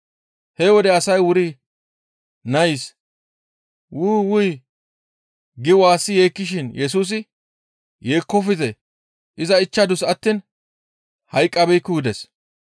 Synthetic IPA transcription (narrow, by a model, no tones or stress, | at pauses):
hɛwɔd̪ɛɐsɐjwʊɾi | nɐjɪs | wʊːwʊj | ɡɪwaːsːɪjeːkːɪʃ̬ɪnjɛs̬uːs̬ɪ | jeːkːɔfɪzɛ | ʔɪzɐɪt͡ʃːɐd̪ʊsɐt̪ːin | hɐjkʼːɐbɛjkːʊwʊd̪ɛs